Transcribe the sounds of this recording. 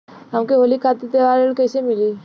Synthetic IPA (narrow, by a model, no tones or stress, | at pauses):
ɦəmkeɦoːlikʰat̪it̪eʋaːɾelkəjsemɪli